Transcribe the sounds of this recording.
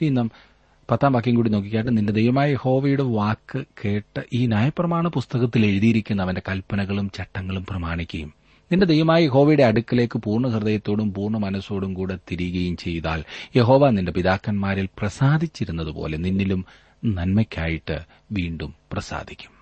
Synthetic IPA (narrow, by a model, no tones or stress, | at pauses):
inːam | pɐt̪ːaːmʋaːk̬ːjɐŋkuːɽino̞ːk̬ːikʲːaːjʈːɨninded̪e̞jʋɐmaːjje̞ho̞ːʋɐjuɽeʋaːkːɨkeːʈːɨʔiːnjaːjɐprɐmaːɳɐpust̪ɐɣɐt̪ːile̞ɻuðijiɾikʲːunːɐʋɐndekɐlpɐnɐɣɐɭumt͡ɕɐʈːɐŋːɐɭumprɐmaːɳikʲːɐjum | ninde̞d̪ejʋɐmaːjɐje̞ɦo̞ːʋɐjuɽe̞ɐɽukːɐle̞ːkːɨpuːrɳɐhird̪ɐjɐt̪ːo̞ːɽumpuːrɳɐmɐnɐso̞ːɽumkuːɽet̪iɾiɣɐjumt͡ɕe̞jt̪a̰ːlje̞ɦo̞ːʋaːninde̞piðaːkːɐnmaːɾilprɐsaːd̪ʱit͡ɕːiɾunːɐðɨpo̰ːle̞ninːilum | nɐnmɐkʲːaːjiʈːɨ | ʋiːɳɖumprɐsa̰ːd̪ʱikʲːu̥m